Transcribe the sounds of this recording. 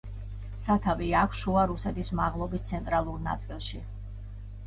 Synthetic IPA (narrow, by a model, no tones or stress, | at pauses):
sat̪ʰaviakʷʰʃuaɾusɛt̪ʰismaʁlˠɔbist̪sʰɛnt̪ʼɾalˠuɾna̰t̪sʼilˠʃi